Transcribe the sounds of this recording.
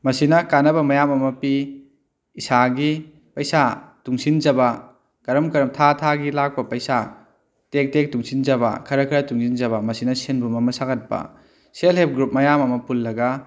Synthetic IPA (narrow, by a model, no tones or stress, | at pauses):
mɐsinɐkanɐbɐmɐjamɐmɐpiː | saɡi | pɐjsatuŋsind͡ʒɐbɐ | kɐɾɐmkɐɾɐmtʰatʰaɡilak̚pɐpɐjsa | tek̚tek̚tuŋsind͡ʒɐβɐ̰kʰɐɾɐkʰɐɾɐtuŋsind͡ʒɐβɐmɐsinɐsenbumɐmɐsakɐt̚pɐ̰ | selɦep̚ɡɾup̚mɐjamɐmɐpulːɐɡɐ